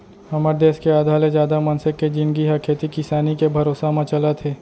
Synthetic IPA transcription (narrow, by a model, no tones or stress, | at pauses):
hɐməɾd̪eːskeaːd̪ʱaːlezjaːd̪amɐ̃nsɪkːed͡ʒɪ̃nɡiɦɐkʰeːt̪ikɪsaːnikebʱɐɾoːsamãt͡ʃɐlat̪ʰeː